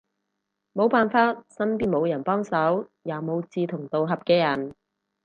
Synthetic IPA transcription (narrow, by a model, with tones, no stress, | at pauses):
mo˨˧wpaː˨nfaː˧t̚sɐ˥mpiː˥nmo˨˧wjɐ˨˩npɔː˥ŋsɐ˨˥wjaː˨˩wmo˨˧wt͡siː˧t̪ʰʊ˨˩ŋt̪o˨wɦɐ˨p̚kɛː˧jɐ˨˩n